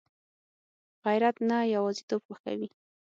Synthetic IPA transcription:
ɣajɾat̪najawɑzit̪obxoxka̰wi

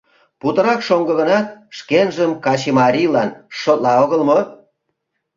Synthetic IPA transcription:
put̪ə̆ɾɑkʃoŋɡə̆ɣənɑt̪̚ʃkenʒəmkɑt͡ɕemɑɾʲilɑnʃot̪lɑoɣəlmo

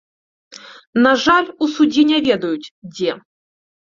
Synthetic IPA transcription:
naʐalʲusudʲinʲɛvʲed̪ɐjutʲdʲe

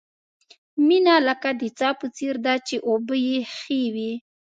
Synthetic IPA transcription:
minaləkad̪ət͡sɑpət͡seɾd̪at͡ʃeʔobəjexewi

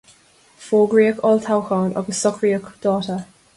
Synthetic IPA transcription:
fɔːɡɹiəkʰɔlˠtʰawxɔːnʔɔ̰ɡəsɔkʰɹiəkd̥ɔːtə

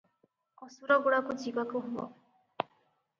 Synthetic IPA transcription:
kɔsuɾɔɡuɽakud͡ʒibɔkuɦubɔ̰

